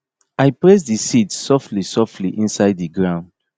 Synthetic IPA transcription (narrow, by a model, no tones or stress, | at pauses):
ajpɹɛs̬disitsɔftlisɔftʰliʔĩnsaɪdðiɡɹãʊ̃nd̥